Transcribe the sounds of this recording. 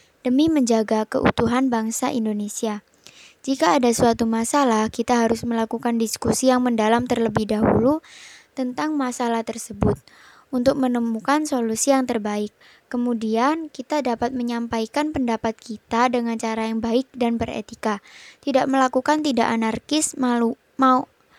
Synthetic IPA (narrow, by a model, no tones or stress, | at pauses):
d̥əmiməɲd͡ʒaɡakə̰ʔṵt̪uɦanbaŋsaʔindonesia | d͡ʒikaːdasuat̪umasalahkit̪aɦaɾʊsməlakukandiskusijaŋməndalamt̪ərləbɪhdaɦṵlut̪ənt̪aŋmasalaht̪ərsəbʊt̪̚ | unt̪ʊk̚mənəmukansolusijaŋt̪ərbaɪkː | əmudiankit̪adapat̪̚məɲampaikanpəndapat̪̚kit̪adəŋant͡ʃaɾajaŋbaɪk̚danbərḛt̪ikat̪idaʔməlakukant̪ida̰ʔanarkɪsmalu | mau